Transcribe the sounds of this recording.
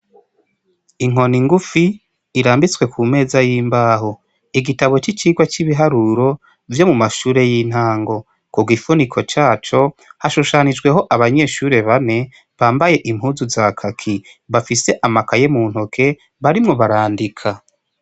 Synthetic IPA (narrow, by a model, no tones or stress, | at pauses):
iŋo̞niŋɡufiː | ɾaːmbit͡swe̞kʰuːme̞ːzajiːmbaːɦo̞ | iɡitaβo̞t͡ʃit͡ʃiːɡwat͡ʃiβiɦaɾuɾo̞ | vjo̞mumaʃuːɾe̞jin̥haːŋɡo̞ | kuɡifunikʰo̞t͡ʃaːt͡ʃo̞haʃuʃanid͡ʒɡwe̞ɦo̞ʔaβaɲe̞ʃuːɾe̞βane̞ | βaːmbaje̞ʔim̥huːzuzakʰakʰi | βafise̞ʔamakaje̞muːn̥hokʰe̞ | βaɾimŋo̞βaɾaːndikʰa